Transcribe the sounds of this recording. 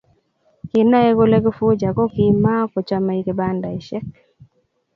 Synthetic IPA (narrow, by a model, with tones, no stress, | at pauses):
kɪ˨na˦ɛ˦ɡo˦lɛ˦ɡɔ˦fo˦d͡ʒa˨kɔ˦ki˦ma˦kɔ˨t͡ʃa˦ma˨i˦ke˨ba˦nda˨i˨ʃɛ˦k̚